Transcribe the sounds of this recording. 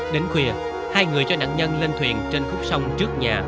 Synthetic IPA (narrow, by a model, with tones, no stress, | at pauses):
ɗe˨˦nkwi˨˩ə | haː˧jŋɨ˨˩əjt͡ɕɔ˧ɗa̰ː˧˨ŋɲə˧nle˧nt̪ʰwḭ˧˨ənt͡ɕe˧nfʊ˦˥k͡p̚sa˧wŋ͡mt͡ɕɨ˦˥ək̚ɲaː˨˩